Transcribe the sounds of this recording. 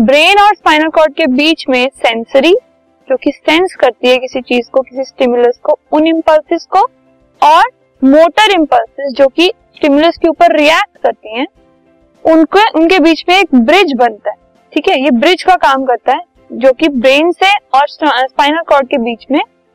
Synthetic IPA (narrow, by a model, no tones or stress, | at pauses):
bɾeːnɔːɾspaːɪnəlkɔːɾɖ̚kebiːt͡ʃmẽsɛ̃nsəɾi | d͡ʒoːkisɛ̃nskɐɾt̪iɦɛkɪsit͡ʃiːzkokɪsisʈɪmjʊləskoʊnɪ̃mpəlsɪzko | ɔːɾ | moːʈəɾɪ̃mpəlsɪzd͡ʒoːkisʈɪmjʊləskeuːpəɾːiɛːk̚ʈkɐɾt̪iɦɛ̃ː | ʊnkeʔʊnkebiːt͡ʃmẽeːk̚bɾɪd͡ʒbɐ̃nt̪aɦɛ | ʈʰiːkɛjebɾɪd͡ʒkakaːmkɐɾt̪aɦɛː | d͡ʒoːkibɾeːnseɔːɾsspaːɪnəlkɔːɾɖ̚kebiːt͡ʃmẽ